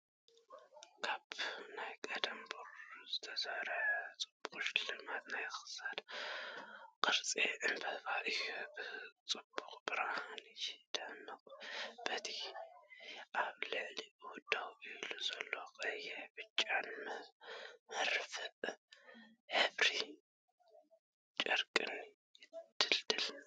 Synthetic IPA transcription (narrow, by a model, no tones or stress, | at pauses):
kʰaβnajkʼɐd̪ɐmbuɾzɨt̪ʰɐzɐhɾɐt͡sʼɨbuxʼʃlɨmat̪najxɨ̥sat̪ | qʼɨɾt͡sʼiʕɨmbʰɐβaʔɨjubɨt͡sʼɨbːukʼbɨɾahanid͡ʒd̪̥ɐmːɨkʼb̥ɐt̪ʰi | ʔaβlɨʕliwʊd̪awʔɨluzɐlːokʼɐjɛbɨt͡ʃʼːanm | mɐɾfɨʔ | hɨβɾi | t͡ʃʼɐ̰ɾkʼɨnːi | jɪd̪̥ɨld̪ɨl